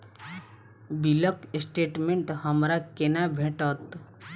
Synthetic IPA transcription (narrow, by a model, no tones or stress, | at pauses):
biləksʈeːʈmẽɳʈɦəmɾakenabʱeʈət̪